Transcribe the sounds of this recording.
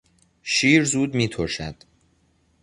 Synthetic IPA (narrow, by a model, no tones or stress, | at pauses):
ʃiːɾzuːd̪miːt̪ʰoɾʃæd̪̥